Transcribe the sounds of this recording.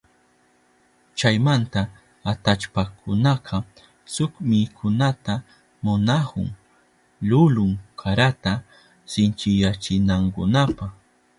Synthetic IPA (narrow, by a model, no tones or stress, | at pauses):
t͡ʃajmant̪aː | t̪at͡ʃpakʰʊnaqʰɑ | sʊkmɪkʰʊnat̪a | mʊnahʊ̰ŋ | lʊlʊŋkʰaɾat̪a | sɪnt͡ʃɪjat͡ʃɪnaŋkʊ̰napɑχ